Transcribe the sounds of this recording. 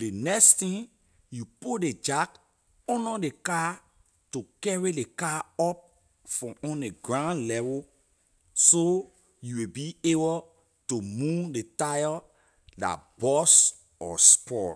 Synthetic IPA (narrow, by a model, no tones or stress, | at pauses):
denɛkstĩn | jupoded͡ʒak | ɔ̃nɔdeka | tukɛɹidekaɔp̚ | fɹɔ̃ɔ̃ndeɡɹãndlɛvɔ | so | juwebiebo | tumundetajɔ | la̰b̥ɔs | ɔ̰spɔ